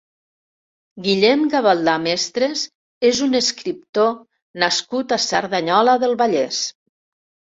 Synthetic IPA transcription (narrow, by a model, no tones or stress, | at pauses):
ɡiʎɛmɡaβalˠd̪amest̪ɾez | ezunəskɾip̚t̪o | naskut̪asaɾðaɲɔləðəlˠβaʎɛs